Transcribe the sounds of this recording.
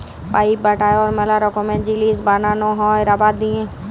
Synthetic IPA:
paːibəʈaːjɔːɾmɛlaɾɔkomẽd͡ʒiliːzbaːnanõɦɔ̃ːeɾabaːd̪̚d̪iẽː

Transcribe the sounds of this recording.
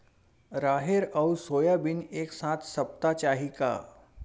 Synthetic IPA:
ɾaːɦɪɾɔʊsoːjabɪneːksaːt̪ʰsɐp̚t̪at͡ʃaːɦika̰ː

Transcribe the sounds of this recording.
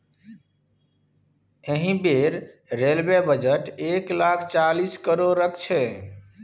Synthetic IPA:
eɦĩbeɾ | ɾelbebəd͡ʒəʈeklakʰt͡ʃaliskəɾoɾːəkʰt͡ʃʰɛ

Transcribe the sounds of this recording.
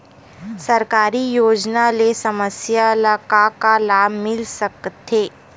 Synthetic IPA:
sɐɾkaːɾijoːd͡ʒnalesɐməsjalakakalaːbmɪlsɐkt̪ʰːeː

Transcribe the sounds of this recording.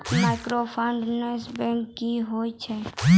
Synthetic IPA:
maɪkɾopʰaɳɖnesbɛ̃ŋkːiɦoːit͡ʃʰɛ

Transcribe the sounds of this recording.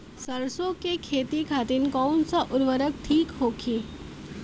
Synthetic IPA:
səɾsõkekʰeːt̪ikʰaːt̪ɪnkɔːnsaʔʊɾʋəɾək̚ʈʰiːkɦoːkʰiː

